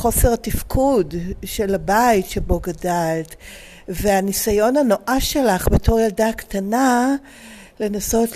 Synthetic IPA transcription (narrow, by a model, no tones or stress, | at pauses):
χo̞se̞ʁatifkʰudʃe̞labaitʃebo̞ɡadalt | veanisajo̞nano̞ʔaʃelaχbetʰo̞ʁjaldaktana | le̞naso̞t